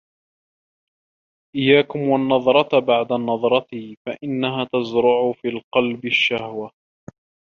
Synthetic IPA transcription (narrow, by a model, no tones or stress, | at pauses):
ʔɪjːaːkʊmwanːɑðˤɾˤɑt̪baʕd̪anːɑðˤɾˤɑt̪iːfaʔɪnːaɦaːt̪azɾʊʕʊfiːlqɑlbɪʃːahwa